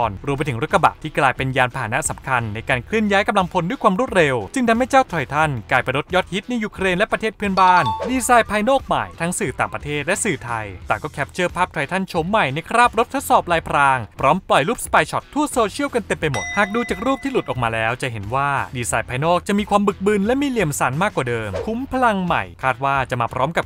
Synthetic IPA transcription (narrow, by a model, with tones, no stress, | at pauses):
ɔː˧nɾu˧mpa˧jt̪ʰŋɾu˦˥kːa˧ba̰˨˩t̪ʰiː˥˩klaː˧jpe˧njaː˧npʰaː˧ɦaː˩˦na˦˥ʔsa˩˦mkʰa˧nːa˧jkaː˧nkʰlɯ˥˩ənjaː˦˥jka˧mla˧ŋpʰo˧ndu˥˩jkʰwaː˧mɾu˥˩t̪̚ɾe˧wt͡ɕɯ˧ŋt̪ʰa˧mha˥˩jt͡ɕaː˥˩wt̪ʰɾɔ˧jt̪ʰa˥˩nklaː˧jpa˧jɾo˦˥t̪̚jɔ˦˥t̪̚hi˦˥t̪̚na˧juː˧kʰɾeː˧nlɛ˦˥pɾa˧t̪ʰeː˥˩t̪̚pʰɯ˥ənbaː˥˩ndiː˧saː˧jpʰa˧jnɔː˥˩k̚ma̰˨˩jt̪ʰa˦˥ŋsɯː˨˩t̪aː˨˩ŋpɾa˧t̪ʰeː˥˩t̪̚lɛ˦˥sɯː˨˩t̪ʰa˧jt̪aː˨˩kɔː˥˩kʰɛ˦˥p̚t͡ɕɤː˥˩pʰaː˥p̚t̪ʰɾɔ˧jt̪ʰa˥˩nt͡ɕʰo˩˦mːa˨˩jna˧jkʰɾaː˥˩p̚ɾo˦˥t̪ʰːo˦˥t̪̚sɔː˨˩p̚laː˧jpʰɾaː˧ŋpʰɾɔː˦˥mplɔ˨˩jluː˥˩p̚spaː˧jt͡ɕʰɔ˨˩t̪ʰːu˥˩əsoː˧t͡ɕʰi˥əwka˧nt̪e˧mpa˧jmo˨˩t̪̚haː˨˩k̚duː˧t͡ɕaː˨˩k̚ɾuː˥˩p̚t̪ʰiː˥˩lu˨˩t̪̚ʔɔː˨˩maː˧lɛː˦˥wt͡ɕa˨˩ɦe˩˦nwaː˥˩diː˧saː˧jpʰaː˧jnɔː˥˩k̚t͡ɕa˨˩miː˧kʰwaː˧mbɯ˨˩k̚bɯ˧nlɛ˦˥miː˧li˨˩əmsa̰˩˦nmaː˥˩kːwaː˨˩dɤː˧mkʰu˩˦mpʰa˧la˧ŋma̰˨˩jkʰaː˥˩t̪̚waː˥˩t͡ɕa˨˩maː˧pʰɾɔː˦˥mka˨˩p̚